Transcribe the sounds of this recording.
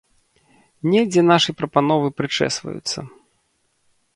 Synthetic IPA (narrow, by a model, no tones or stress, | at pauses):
nʲɛd͡zʲɛnaʂɨjpɾɐpanɔvɨpɾɨt͡ʂɛ̰svɐ̰jṵt̪sːɐ̰